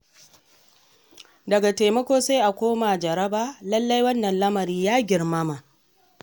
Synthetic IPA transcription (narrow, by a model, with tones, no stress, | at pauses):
dɐ˨ɡa˨teː˨mɐ˦kʷoː˦sa˦ʔa˨kʷoː˦ma˨d͡ʒɐ˨ɾɐ˦baː˦lɐ˦lːa˦jwɐ˦nːɐ˨nlɐ˦mɐ˨ɾiː˦jaː˦ɡʲɪ˨ɾmɐ˦ma˨